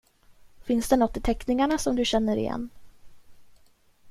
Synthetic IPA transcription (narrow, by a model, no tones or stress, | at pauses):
fɪnsd̪ɛnɔt̪ːɪt̪ʰɛknɪŋaɳasɔmd̪ɵɕɛn̪ːəɾɪ̰jɛ̰nː